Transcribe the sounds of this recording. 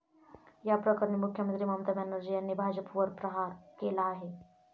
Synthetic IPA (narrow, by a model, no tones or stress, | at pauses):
japɾəkəɾəɳimukʰjəmənt̪ɾiːmamt̪amanəɾd͡ʑijanːebʱad͡ʑəpʋəɾpɾəɦaɾkelaːɦe